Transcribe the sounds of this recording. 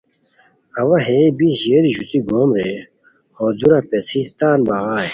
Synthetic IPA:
ɐwɐɦeːbiʑeːɾiʑut̪iɡoːmɾe | hoːd̪uɾɐpet͡sʰit̪aːnbɐɣaːe

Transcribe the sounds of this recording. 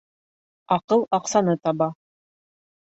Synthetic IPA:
ɑqɤlˠɑqsɑnɤt̪ɑβɑ

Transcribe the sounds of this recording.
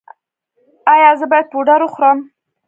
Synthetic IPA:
ajɑzəbɑjad̪̚poɖaɾʊxɾəm

